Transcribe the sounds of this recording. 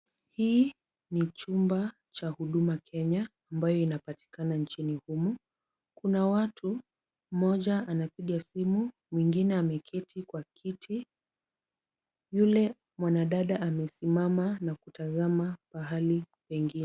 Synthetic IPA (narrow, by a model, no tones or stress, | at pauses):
hiː | nit͡ʃumba | t͡ʃahuɗumakʰɛɲaː | mbajɔinapati̥kanant͡ʃinihumu | kunawatʰu | m̩mɔʄaanapiɠasimu | mwiŋɡinɛamɛkʰɛtʰikwakʰitʰi | julɛ | mwanaɗaɗaʔamɛsimamanakutazamaɓaɦali | pɛŋɡinɛ